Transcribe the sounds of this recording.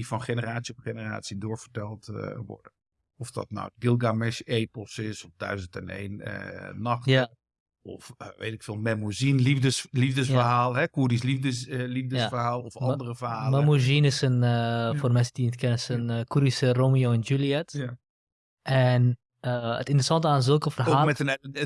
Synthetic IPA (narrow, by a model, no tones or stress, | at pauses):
difɔnχenəraːtsiɔfχenəra̰ːsidoːɹvərtɛlˠtʋɔ̰rdə | ɔfdɔ̰tna̰wɡɪlˠɡamɛseːpl̩ˠsɪsɔfd̥œ̰ɥzəntənḛːnə̰nɑx | ɔ̰fʋḛːtɪkfeːlˠmɛmuzinlifdəlivdəsfərɦaːlˠɦɛkudislifdəlivdəsfərhaːlˠɔfɔndərəfəhaːlmɛmuzinɪsənformɛnsədiəntkʰɛnəsənkuɾisəroːmioːɛnd͡ʒuliɛt | ʔɛn | əə̰tɪntərəsɑntəaːnzølˠkəfərɦoaːmɛtən